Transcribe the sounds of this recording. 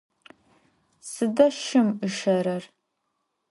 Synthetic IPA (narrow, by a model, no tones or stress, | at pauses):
sɨdɐʃɪmɨʃɐɾɐr